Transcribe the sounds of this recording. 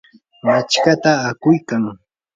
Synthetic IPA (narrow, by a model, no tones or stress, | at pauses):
mat͡ʃkat̪aːkʊjkaŋ